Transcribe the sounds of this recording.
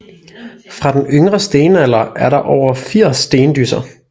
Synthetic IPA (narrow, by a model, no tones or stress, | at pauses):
fʁɑ̈d̥enøŋʁɐsd̥e̝ːnæl̰ɐʔæɐɾɑ̈ʔɒʊ̰ɐfiɐ̰sːd̥e̝ːnəd̥ysɐ